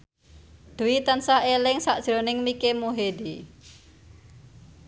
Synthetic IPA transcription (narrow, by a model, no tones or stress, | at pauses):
d̪̥ṳwit̪ansahelɪŋsaʔd̥ʒ̥ɾonɪŋmikemoɦed̪i